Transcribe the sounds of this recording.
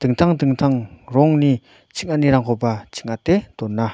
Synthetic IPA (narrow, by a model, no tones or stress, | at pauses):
t̪ək̚n̥t̪ʰaŋt̪əŋ̚n̥t̪ʰaŋroŋni | t͡ɕʰək̚ŋaniɾaŋχopat͡ɕʰə̥k̚ŋat̪ent̪onːa